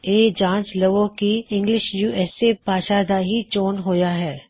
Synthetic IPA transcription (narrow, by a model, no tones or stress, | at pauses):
eːd͡ʒãːnt͡ʃlɐʋõkiɪ̃ŋɡlɪʃjuːɛːsebaːʃaːd̪aɦit͡ʃoːnɦoːjaɦɛː